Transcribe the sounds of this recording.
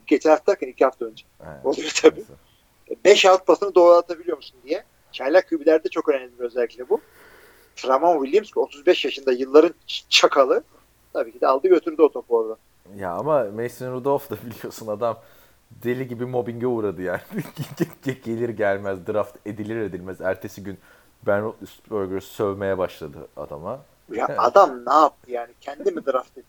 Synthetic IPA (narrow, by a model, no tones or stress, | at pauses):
ɟet͡ʃ̪ʰiaft̪ʰaɾkanicʰihaft̪ʰaønd͡ʒɛ̰olˠujot̪ʰabiː | bɛʃaft̪̚basɯnɯd̪o̞ːɾat̪ʰabilʲijo̞musund̪ijɛ | t͡ʃʰajlʲakʰybilʲæɾd̪ɛt͡ʃʰo̞kø̞næmlʲibiø̞zɛlʲːiclʲɛbu | t̪ʰɾamanwilʲjimsko̞t̪ʰuzbɛʃjaʃɯnd̪ajɯlˠːaɾɯnt͡ʃʰakʰalˠɯ | t̪ʰabiːcʰid̪ɛalˠd̪ɯɟø̞t̪ʰyɾd̪io̞t̪ʰopˠoɾd̪a | ja̰amamejsinɾud̪olˠfd̪abilʲijo̞sunad̪am | d̪elʲiɟibimo̞biɲɟɛuːɾad̪ɯjaːnibiɟɟɛɟe̞lʲiɾɟælʲmæzd̪ɯɾaft̪ʰed̪ilʲiɾe̞d̪ilʲmæzæɾt̪ʰe̞siɟyn | bænsɾoɡɾesy̥sø̞vme̞jɛbaʃlˠad̪ɯ̰a̰d̪a̰ma | jaʔad̪amnaːp̚t̪ʰɯjaːnicʰɛnd̪imid̪ɯɾaft̪e